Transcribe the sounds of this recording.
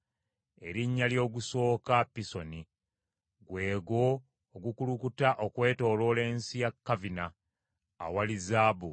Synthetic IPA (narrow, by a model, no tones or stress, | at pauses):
e̞ɾiɲːaljo̞ːɡuso̞ːkapːiso̞ni | ɡwe̞ːɡo̞ː | ɡukulukutaʔokwe̞ːto̞ːlo̞ːle̞ːnsijakːavina̰ː | walizaːbu